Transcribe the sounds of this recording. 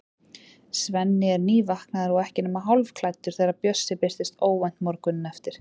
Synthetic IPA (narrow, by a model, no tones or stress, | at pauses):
svɛnːɪɛɾniːvahknaðaɾɔɣɛhcɪnʏmaɦawlvkʰlajt̪ʏɾ̥θejɾapjœsːɪpɪr̥t̪ɪst̪oːwvajnt̪mɔɾkʏnːɛft̪ɪɾ̥